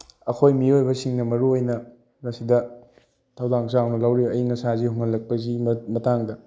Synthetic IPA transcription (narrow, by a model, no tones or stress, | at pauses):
ɐkʰojmiojbɐsiŋnɐmɐɾuojnɐ | ɾɐsidɐ | tʰɐwdaŋsawnɐlɐwɾibɐjŋɐsazihuŋɐlːɐk̚pɐzimɐtaŋdɐ